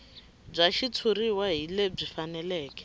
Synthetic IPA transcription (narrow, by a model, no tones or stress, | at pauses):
b͡ʐaʃit͡sʰuriwaɦileb͡ʐifanɛlɛːkɛ̥